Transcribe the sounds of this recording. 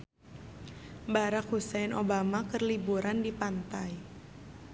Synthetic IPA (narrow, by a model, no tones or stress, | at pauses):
baɾakhusanʔobamakərlibuɾandipant̪aj